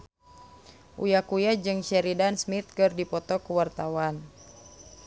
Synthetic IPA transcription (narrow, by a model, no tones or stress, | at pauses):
ʔṵjakujad͡ʒɨŋʃɛɾidansmit̪̚kɨrdipɔt̪ɔkəwart̪awan